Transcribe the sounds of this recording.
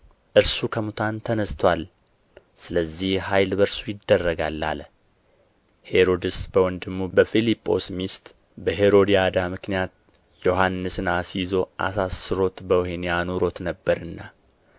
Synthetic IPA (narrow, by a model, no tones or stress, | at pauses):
ʔɨɾsukʰəmut̪ʰant̪ʰənəst̪ʰwal | sɨləzːihhajlbəɾsujɪd̪ːərːəɡalːa̰l | he̞ɾo̞d̪ɨsbəwɔnd̪ɨmːubəfilipʼːo̞̰smist̪ | bəɦe̞ɾo̞d̪ijad̪amɨknijat̪̚ | joɦanːɨsɨnasizo̞ʔa̰sasːɨɾo̞t̪bəwɦenijanuɾo̞t̪nəbːəɾɨnːa